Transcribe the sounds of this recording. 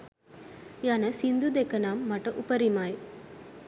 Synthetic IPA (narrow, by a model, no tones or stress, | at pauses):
jaːnɐsind̪ud̪ekːɐnaːmːɐʈːɐʔʊpɐɾimaːj